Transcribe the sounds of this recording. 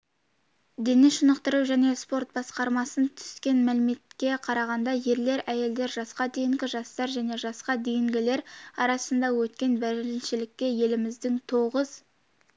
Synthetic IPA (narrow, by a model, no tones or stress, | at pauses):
d̪enɪʃənəqt̪əɾəwʒæne̞spo̞rt̪̚bɑsqɑɾmɑsənt̪ʰʏ̥skʲe̞nmælɪme̞t̪kʲe̞qʰɑɾɑʁɑnd̪ɑje̞ɾle̞ɾæje̞ld̪e̞ɾʒɑsqɑd̪ejɪŋɡʲɪʒɑst̪ɑɾʒæne̞ʒɑsqɑd̪ejɪŋɡʲɪle̞ɾɑɾɑsənd̪ɑwɵt̪kʲe̞nbæɾɾɪnʃɪlɪkʲːe̞je̞lɪmɪzd̪ɪŋt̪ʰo̞ʁəz